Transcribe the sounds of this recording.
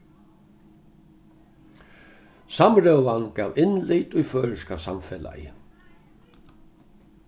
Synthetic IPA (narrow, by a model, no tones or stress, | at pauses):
samɾœwvankaːwɪnlɪt̪ujfœːɾskasamfɛla̰jɪ̰